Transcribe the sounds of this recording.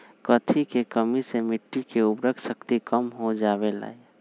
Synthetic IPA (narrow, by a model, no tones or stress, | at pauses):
kət̪ʰikekəmisemɪʈːikeʊbɾəkʃəkt̪ikəmɦod͡ʒaːbela̰ːe